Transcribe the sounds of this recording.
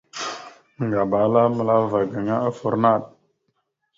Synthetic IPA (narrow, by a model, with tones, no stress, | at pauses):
ŋ˨ɡa˨ba˨˦la˦mə˨la˦va˨ɡa˨ŋa˦ə˦fə˨ɾna˦˨ɗ̚